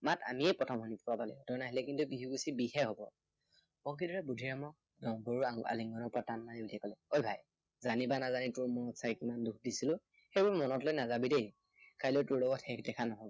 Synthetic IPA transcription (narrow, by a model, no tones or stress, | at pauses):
mata̰miɛjpɹɔtʰɔmɦɔnipʰɔɹabalɛjdɔɹnaɦilɛkintubiɦuɡusibiɦɛɦobɔ | bɔŋkʰidɔɹɛbudʱiɹamɔk̚ | dɔŋboɹuaŋa̰liŋɡɔnɔpatanːaniudiɛkɔlɛojbʱaj | zanibanazanitʊɹmɔɔtsajkimanduk̚ʰdisilʊ | xejbɔɹmɔnɔtlojnazabidej | kajlotʊɹlɔɡɔthɛkdɛkʰanɔɦɔbɔ